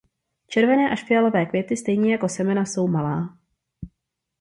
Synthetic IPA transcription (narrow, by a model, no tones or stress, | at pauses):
t͡ʃɛɾvɛnɛːʔaʃfɪjalo̞vɛːkvjɛt̪ɪst̪ɛjɲɛjako̞sɛmɛnaso̞wmalaː